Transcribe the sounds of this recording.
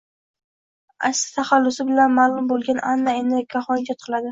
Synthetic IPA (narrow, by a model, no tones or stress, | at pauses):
a̰ksɪ̥t̪ʰaχalːʊsɪbɪlanmaːlˠʊmbolˠɡʲanʔanːaenɪkʲʰːaχɒnkʲɒt̪qʰɨlˠad̪ɪ